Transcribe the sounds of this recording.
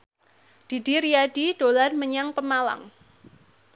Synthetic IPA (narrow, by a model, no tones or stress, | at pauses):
d̥i̤diɾijaɖ̥iɖ̥olarməɲaŋpəmala̰ŋ